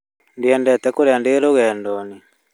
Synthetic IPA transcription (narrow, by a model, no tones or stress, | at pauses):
ndiɛndɛt̪ɛkoɾeandeɾoɣɛːndɔni